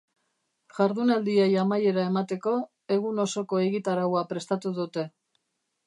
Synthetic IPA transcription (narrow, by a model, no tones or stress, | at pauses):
ʝaɾðunald̪iejamaje̞ɾae̞mat̪e̞ko̞ | e̞ɣ̞uno̞so̞ko̞e̞ɣit̪aɾawapɾe̞st̪at̪uðut̪e̞